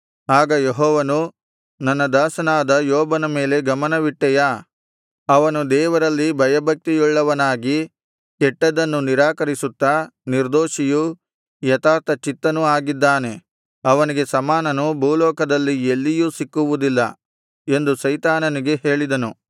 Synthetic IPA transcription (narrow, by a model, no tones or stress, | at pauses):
aːɡɐjeɦɔːʋɐnu | nɐnːɐd̪aːsɐnaːd̪ɐjɔːbɐnɐme̞ːle̞ɡɐmɐnɐʋiʈːɛjaː | ɐʋɐnud̪ɛːʋɐɾɐlːibʱɐjɐbʱɐk̚t̪ijɔɭːɐʋɐnaːɡi | kɛʈːɐd̪ɐnːuniɾaːkɐɾisut̪ːaniɾd̪oːʃiju | jɐt̪aːɾt̪ɐt͡ʃit̪ːɐnuaːɡid̪ːaːne̞ | ɐʋɐniɡe̞sɐmaːnɐnubʱuːlɔːkɐd̪ɐlːielːijuːsikːuʋud̪ilːɐ̰ | e̞nd̪usɐjt̪aːnɐniɡe̞ɦe̞ːɭid̪ɐnu